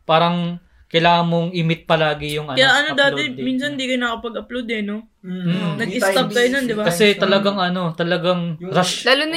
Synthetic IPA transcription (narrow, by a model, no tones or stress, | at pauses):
paːɾɐŋ | kɐjlaːŋɐnmːoŋʔɪmɪt̪̚pɐlaːɡɪjʊŋɐkɐjaʔɐnod̪aːɛmiːns̬ɐnd̪iːkɐjnɐkopɐɡɐplowd̪ɛno | m̩nɐɡʔɪt̪ɐb̚kɐjonɐnd̪ɪbakɐsɛt̪ɐlɐɡaŋɐno̞t̪ɐlɐɡaŋɾɐʃlaːlʊnɐ